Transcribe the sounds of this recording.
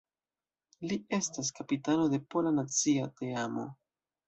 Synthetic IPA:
lie̞stas̬kapitano̞de̞po̞lanat͡siate̞amo̞̰

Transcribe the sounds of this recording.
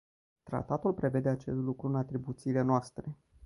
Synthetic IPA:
t̪ɾa̰t̪at̪ulpɾe̞ve̞d̪e̞at͡ʃe̞st̪lukɾuɨnat̪ɾibut̪siːle̞noast̪ɾe̞

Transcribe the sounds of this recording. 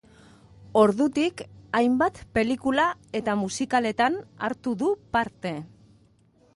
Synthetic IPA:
o̞ɾðut̪ikajmbat̪pe̞likulae̞t̪amusikale̞t̪ana̰ɾt̪uðupaɾt̪e̞

